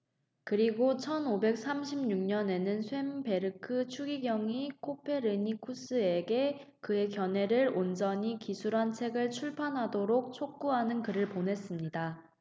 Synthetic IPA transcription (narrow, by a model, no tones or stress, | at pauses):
kɯɾiɡot͡ɕʰʌnobe̞k̚s͈amɕʰimɲuŋɲʌne̞nɯnsʰwe̞mpe̞ɾɯkʰɯt͡ɕʰuɡiɡjʌŋikʰopʰe̞ɾɯɲikʰus͈ʰɯe̞ɡe̞kɯe̞kjʌne̞ɾɯɾond͡ʑʌɲikisʰuɾɦant͡ɕʰe̞ɡɯɭt͡ɕʰuɭpʰanɦadoɾok̚t͡ɕʰok̚k͈uɦanɯnkɯɾɯɭponɦe̞s͈ɯmɲida